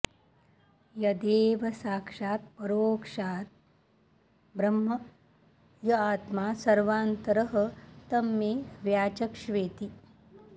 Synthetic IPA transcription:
jɐd̪eːʋɐsaːkʂaːt̪̚pɐɾoːkʂaːt̪̚ | bɾɐmɦɐ | jɐaːt̪maːsɐɾʋaːnt̪ɐɾɐɦɐ̆t̪ɐmːeːʋjaːt͡ʃɐkʂʋeːt̪i

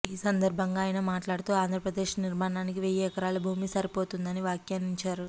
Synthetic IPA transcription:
iːsɐnd̪ɐɾbʱɐŋɡaːjinɐmaːʈlaːɽut̪uːaːnd̪ʱɾɐpɾɐd̪e̞ːʂniɾmaːɳaːnikiʋɛjeːkɐɾaːlubʱuːmisɐɾipo̞ːt̪und̪ɐniʋaːkjaːniɲt͡ʃaːɾu

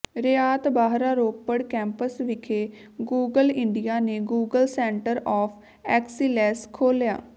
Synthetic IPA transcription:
ɾeaːt̪baːɦɾaːɾoːpːəɽkɛ̃ːmpəsʋɪkʰeː | ɡuːɡəlɪɳɖijaːneːɡuːɡəlsɛːɳʈəɾɔːpʰ | ɛːksiːlɛːskʰoːlja̰ː

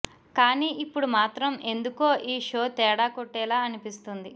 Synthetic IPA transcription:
kaːniːʔipːuɽumaːt̪ɾɐme̞nd̪ukoːʔiːʂo̞ːt̪ɛːɽaːkoʈːɛːlaːɐnipist̪und̪i

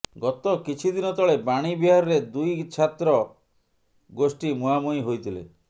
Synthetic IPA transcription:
ɡɔt̪ɔkit͡ʃʰid̪inɔt̪ɔɭebaɽ̃ibiɦaɾɔɾed̪ujt͡ʃʰat̪ɾɔ | ɡosʈimuɦamuiɦojt̪ʰilḛ

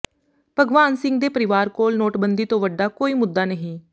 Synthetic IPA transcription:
pəɡʋaːnsɪ̃ŋɡ̚d̪eːpəɾɪʋaːɾkoːlnoːʈbənd̪iːt̪õːʋəɖaːkoːiːmʊd̪ːaːnəɦĩː

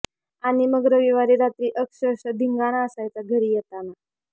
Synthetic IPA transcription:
añiməɡɾəʋiʋaɾiɾat̪ɾiːʔəkʂəəɕəd̪ʱiŋɡaɽ̃aəsajt͡saɡʱəɾiːjet̪ana

